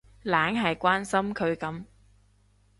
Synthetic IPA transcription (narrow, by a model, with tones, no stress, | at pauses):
laː˨˥ŋɦɐ˨jkʷaː˥nsɐ˥mkʰɵ˨˧ɥkɐ˨˥m